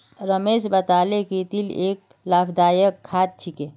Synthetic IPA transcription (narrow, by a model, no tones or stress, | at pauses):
ɾəmesbət̪alekit̪ilek̚ | lapʰd̪ajəkʰːat̪̚t͡ʃʰike